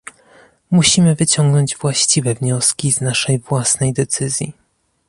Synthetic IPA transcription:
muɕimɘvɘt͡ɕɔŋɡnɔɲd͡ʑvwaɕt͡ɕivɛvɲɔskʲiznaʂɛjvwasnɛjd̪ɛt̪sɘzʲjḭ

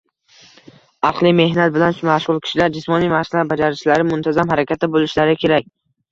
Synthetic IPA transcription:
ɑqlˠime̞hnat̪̚bɪlanʃʊmaʃʁʊlˠkʲʰɪ̥ʃɪlaɾd͡ʒɪsmɒnijmahsɪlaɾbad͡ʒaɾɪʃt͡ʃlaɾɪmʊnt̪ʰazamhaɾakʲʰat̪̚ːabolˠɪʃlaɾɪkʲʰe̞ɾak̚ʲ

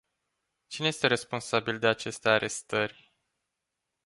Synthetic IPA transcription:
t͡ʃineje̞st̪e̞ɾesponsabild̪e̞at͡ʃe̞st̪eaɾe̞st̪ərʲ

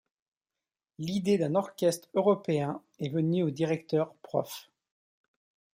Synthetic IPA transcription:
lid̪ed̪ɛ̃nɔʁkʲɛst̪χøʁɔpeɛ̃ | ɛvənyod̪iʁɛk̚t̪œʁpχɔ̰f

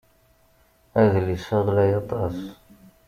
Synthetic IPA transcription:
æðlisəʁlæjɑt̪ˤɑs

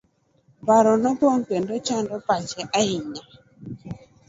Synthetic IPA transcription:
baɾɔnɔpoŋkendot͡ʃandɔpat͡ʃɛʔaiɲa

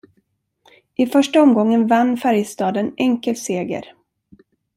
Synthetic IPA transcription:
ʔɪfœʂʈaɔmɡɔŋːənvanːfæɾjst̪ɑːd̪ənɛŋkəlseːɡə̰ɾ

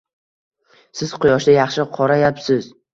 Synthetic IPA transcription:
sɪz̥qʰʊjɒʃd̪ajɑχʃɪqʰɒɾajapsɪz

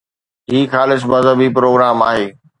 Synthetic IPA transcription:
ɦiːxaːlɪs̬mɐzɦəbipɾoːɡɾaːmaːɦeː

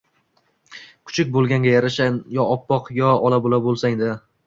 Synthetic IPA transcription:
kʰʊ̥t͡ʃʰɪkʲbolˠɡʲaŋɡʲajaɾaʃanjɒɒpːɒqjɒɒlˠabolˠabolˠsaŋd̪ɪ

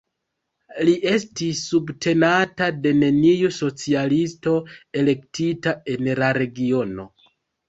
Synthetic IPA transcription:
liʔe̞stisːubtʰe̞natade̞ne̞nijuso̞t͡sialisto̞e̞le̞ktitae̞nlaɾe̞ɡio̞no̞

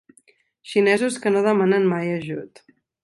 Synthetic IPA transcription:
ʃinɛzuskənoð̞əmanənmajəʒṵt̪

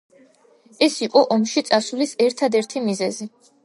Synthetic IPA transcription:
ɛsiqʼɔʔɔmʃit̪sʼasulisɛɾt̪ʰad̪ɛɾt̪ʰimizɛzi

